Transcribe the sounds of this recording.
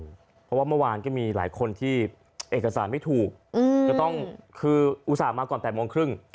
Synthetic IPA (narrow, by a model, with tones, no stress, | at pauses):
pʰɔ˦˥waː˥˩mɯ˥˩˨waː˧nkɔː˥˩miː˧la̰ː˩˦jkʰo˧nt̪ʰiː˥˩ | ʔeː˨˩kːa˧saː˩˦nma˥˩jt̪ʰuː˨˩k̚ːkaː˥˩t̪ɔ˥˩ŋkʰɯː˧ʔu˦˥saː˨˩maː˧kɔː˨˩npɛː˨˩t̪̚mu˧ŋkʰɾɯ˥˩ŋ